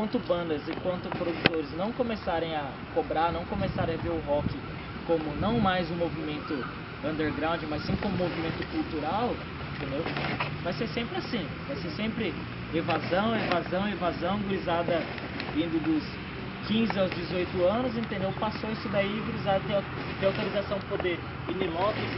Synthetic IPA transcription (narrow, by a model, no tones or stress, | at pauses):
ɐ̃nt̪ʊbɐ̃nd̪ɐzẽkwɐ̃nt̪ʊpɾod̪ut̪oɾɪznɐ̃w̃kõmesaɾẽj̃ɐ | kobɾanɐ̃w̃kõmesaɾẽj̃aveɾʊɦɔkɪ | kõmʊnɐ̃w̃majzʊ̃movimẽnt̪ʊ | ɐ̃nd̪eɾɡɾãw̃d͡ʒɪmɐsːĩkõmʊmovimẽnt̪ʊkuwt̪uɾaw | ẽnt̪ẽnd̪ewmɐssfesẽmpɾɪasĩ | vasesẽmpɾɪ | evazɐ̃w̃evazɐ̃w̃evazɐ̃w̃ɡɾizad̪ɐ | vĩd̪ʊd̪ʊs | kĩzɪawzd͡ʒɪzojt̪ʊɐ̃nʊzẽnt̪ẽnd̪ewpasoisʊd̪aiɪɡɾizaɾt̪e | t̪eawt̪olizasɐ̃w̪̃ɪpod̪eɾ | ilimɔvɪs